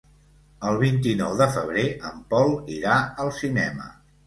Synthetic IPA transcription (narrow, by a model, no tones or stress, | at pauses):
əlˠβ̞int̪inɔwðəfəβ̞ɾeʔəmpɔlˠiɾaəlˠsinɛ̰mə̰